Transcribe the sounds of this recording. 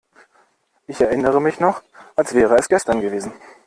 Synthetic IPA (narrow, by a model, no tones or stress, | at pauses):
ʔɪçɛɐʔɪnəʁəmɪçnɔχʔalsv̥ɛːʁəɛsɡ̥ɛstɐnɡəveːzn̩